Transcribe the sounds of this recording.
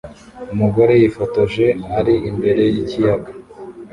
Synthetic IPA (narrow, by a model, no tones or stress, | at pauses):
umuɡo̞ɾe̞jifotoʒe̞haɾiimbe̞ɾe̞jicijaɡa